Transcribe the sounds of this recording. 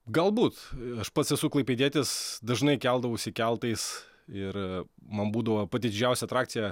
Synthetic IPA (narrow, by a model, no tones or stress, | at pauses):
ɡɐlˠbuːt̪ɐʃpɐt̪sʲɛsuklˠɐɪpʲedʲiɛt̪ʲɪsd̪ɐʒnɐɪkʲɛlˠd̪ɐʋɐʊʃʲsʲɪkʲɛlˠt̪ɐɪs | ɪɾmɐnbuːd̪ɐʋopɑt̪ʲɪd̪ʲɪd͡ʒʲɛʊsʲɛɐt̪ɾɑːkt̪sʲɪjɛ